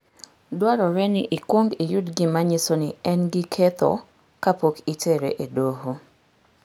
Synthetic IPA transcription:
dwaɾɔɾɛnɪʔikwoŋɡijʊtɡɪmaɲɪsonɪɛnɡikʰɛt̪ɔ̰ | kapokitʰeɾḛʔedoɦo

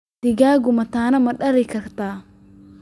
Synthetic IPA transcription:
ɪɡaːɡʊmɐt̪aːnɐmɐɗɐɾɪkɐɾt̪aː

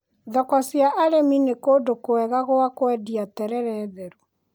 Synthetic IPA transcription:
ðɔkɔsjaʔaɾeminekodokoɛɣaɣoakwɛdiatɛɾɛɾɛːðɛɾu

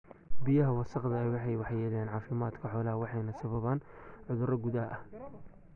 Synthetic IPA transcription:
bijɐɦɐwɐsɑqðɐɛjwɑħɑjwɑħjɛːlɛːnʕɑːfɪmaːd̪kʰɐħɔːlɐɦɐwɑħɑjnɐsɐβɐβaːnʕʊðʊɾɐɡʊðɐɦʔɐh

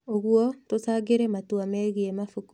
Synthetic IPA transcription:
oɣwɔtosaɡeɾɛmatwamɛɣiɛmafuk

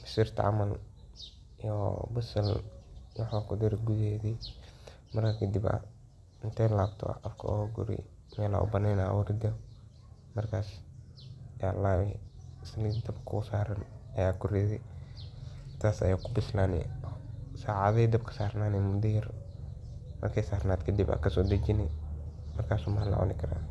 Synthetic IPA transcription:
fɪ̥siːrt̪ʰɐ̰ʕɑ̰mɐl | ijɔ̰bʊsɐlwɑħaːkʰʊd̪iɾɡʊðɛːðɛ | mɐrkʰɐkʰɐd̪ɪbɐ̰ | ɪnt̪ʰɛlaːbt̪ʰɔ̰ʔqɐ̰fkʰɐ̰ʔɔːɡʊ̰ɾɛ̰ | mɛːla̰ːʔʊ̰bɐnɛːnawʊɾɪɡɐ | mɐrkʰaːs | ja̰ːlaːwɛsɪlid̪ɐbkʰʊsaːɾɐnɐjaːɡʊɾɛðɪ | t̪ʰaːsɐ̰jaːkʰʊbɪslaːnɛ̰ | saːʕaðɐd̪ɐb̚kʰɐ̥saːrnaːnɛmʊdiɾ | mɐ̰rkʰɛːsaːɾnaːd̪kʰɐd̪ibɐ̰kɐsɔːd̪ɐd͡ʒɪnɛmɐrkʰaːsumɐhɐlɐ̰ʕɔ̰nɪkʰɐɾa̰ː

